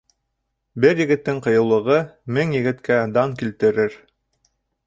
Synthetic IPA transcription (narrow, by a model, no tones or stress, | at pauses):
bɘɾjɘ̆ɡɘ̆t̪ːɘŋqɤ̆jɤ̆lˠːɤ̆ʁɤmɘŋjɘ̆ɡɘ̆t̪kæd̪ɑŋkilt̪ɘ̆ɾɘɾ